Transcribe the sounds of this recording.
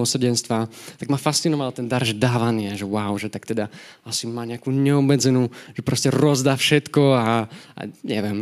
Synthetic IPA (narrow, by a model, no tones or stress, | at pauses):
ɔsrɟɛnst̪ʋat̪aɡmafast͡sinɔʋalt̪ɛnd̪aɾʒd̪aːʋaniːaʒɛwawʒɛt̪ak̚t̪ɛd̪aʔasimaːɲɛakuːɲɛɔmːɛd͡zɛnuːʒɛpɾɔscɛɾɔzd̪aːfʃɛt̪kɔaʔa̰ɲɛʋɛm